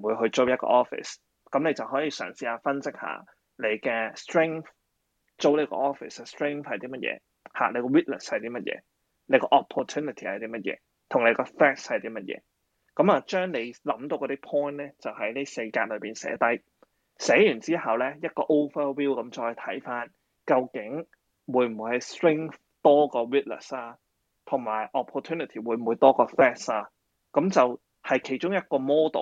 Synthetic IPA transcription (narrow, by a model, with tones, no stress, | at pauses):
m̩˨˩wuː˨˧jɦɵ˧ɥt͡ʃo˥wjɐ˥t̚kɔ̰ː˧ʔɔː˦˥fɪ̰˨˩s | kɐ˨˥mne˨˧jt͡sɐ˨wɦɔː˨˥jiː˧sœ̰ː˨˩ŋsiː˧aː˧fɐ˥nsɪ˥k̚ha̰ː˨˥ | le˨˧jkɛː˧stɹɪ˥ŋθ | t͡ʃo˥wle˧jkɔ̰ː˧ʔɔː˥fɪ̰˨˩sstɹɪ˥ŋθhɐ˨jt̪iː˥mɐ˥t̚jɛ̰ː˧ | ha̰ː˨˩ne˨˧jkɔ˧wi˥t̚nə̰˨˩shɐ˨jt̪iː˥mɐ˥t̚jɛ̰ː˨˧ | ne˨˧jkɔː˧ʔɔ˨pʰːɔ˨t̪ʰuː˥nɪ˨t̪ʰi˨˩hɐ˨jt̪iː˥mɐ˥t̚jɛ̰ː˨˧ | t̪ʰʊ˨˩ŋle˨˧jkɔː˧fɛː˥k̚shɐ˨jt̪iː˥mɐ˥t̚jɛ̰ː˧˦ | kɐ˨˥maː˨˧t͡ʃœː˥ŋle˨˧jlɐ˨˧˥mt̪o˧wkɔː˧t̪iː˥pʰɔː˥jnlɛː˥t͡sɐ˨whɐ˨˥jniː˥se˧jkaː˧t̚lɵ˨˧piː˨˩nsɛ̰ː˨˥t̪ɐ˥j | sɛː˨˥jyː˨˩nt͡siː˥hɐ˨wlɛː˦˥jɐ˥t̚kɔː˧ʔo˥wfə˥wiː˥wkɐ˨˦mt͡ʃɔː˧jt̪ʰɐ˨˥jfaː˥n | kɐ˧wkɪ˨˥ŋ | wuː˨˥jm̩˨wu˨˧jhɐ˨˩jstɹɪ˥ŋf | t̪ɔː˥kɔː˧wiː˥t̚nə̰˨˩saː˧ | t̪ʰʊ˨˩ŋmaː˨˩jʔɔ˨pʰːɔː˨˩t̪ʰuː˥ni˨˩t̪ʰiː˨˩wuː˨˧jm̩˨u˨˧jt̪ɔː˥kɔː˧fɛː˥saː˧ | kɐ˨˥mt͡sɐ˨w | hɐ˨jkʰe˨˩jt͡ʃʊ˥ŋjɐ˥t̚kɔː˧mɔː˥t̪o̰˨w